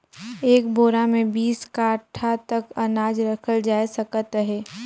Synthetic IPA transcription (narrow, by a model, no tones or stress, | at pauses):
eːk̚boːɾamẽbiːskaːʈʰat̪ɐkɐnaːd͡ʒɾəkʰəld͡ʒaːesəkət̪ɦɛː